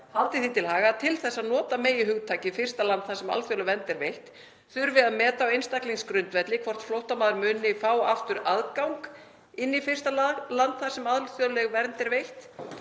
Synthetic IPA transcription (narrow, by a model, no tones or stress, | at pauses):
halt̪ɪθit̪ʰɪlhaːɣat̪ʰɪlθɛsːaðnɔːt̪ameːjɪɦʏɣt̪ʰaːcɪfɪr̥t̪alant̪θaɾsɛma̰lθjɔlʏɛɣvɛnt̪ɛɾvejht̪ | θʏɾvɪðaðmɛːt̪awejnst̪akliŋskɾʏnt̪vɛt̪lɪkʰvɔr̥t̪flowht̪amaːðʏɾmʏːnɪfaːwaft̪ʏɾaðkawŋk | ɪnːifɪr̥st̪alant̪θaɾ̥sɛmaðlθjɔlɛɣvɛɾnt̪ɛɾvejht̪